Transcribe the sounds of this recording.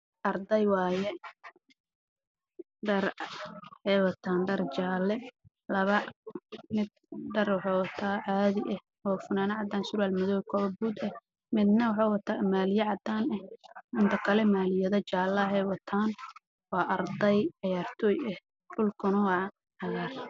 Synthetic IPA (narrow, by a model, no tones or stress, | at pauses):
ʔɐrd̪ɛjwɑːjɛ | ɖɐr | hɛjwɐt̪ʰaːnɖɐrt͡ʃaːlɛ | lɐβɐ | mɪd̪̚ | ɖɐrwɑħɑwɐt̪ʰaːʕaːðɪʔɛh | ɔːfʊnaːnɐʕɑd̪aːnsʊɾaːlmɐðɔːjkʰɔβbuːd̪ɛh | mɪd̪nɐwɑħɑwɐt̪ʰaːmaːlɪjɐʕɑd̪aːnɛhʊnt̪ʰɐkʰɐlɛmaːlɪjɐðɐt͡ʃaːlɐɦɛwɐt̪ʰaːn | wɑːʔɐrd̪ɐjʕɑjaːrt̪ʰɔːjɛh | ɖʊlkʰʊnɐwɑː | ʕɑɣaːr